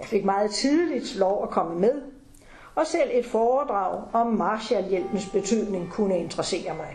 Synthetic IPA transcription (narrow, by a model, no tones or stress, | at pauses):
jɑfe̝ɡ̥mɑ̈ːð̞̩ˠt͡sʰiðˠəlid̥lɒʊækʰɒ̽məmeð̞ˠ | ʔɒ̽sel̰e̝d̥fɒːd̥ʁɑ̈ʊ̰ɒ̽mːɑ̈ːɕæljel̰b̥n̩sb̥e̝t͡sʰyð̰ˠne̝ŋkʰunəe̝nd̥ʁɐse̝̰ːɐmɑ̈ɪ